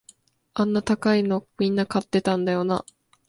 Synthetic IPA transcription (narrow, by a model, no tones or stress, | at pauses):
ãnːat̪akaino̞mʲĩnːakat̪ːe̞t̪ãnd̪ajo̞na̰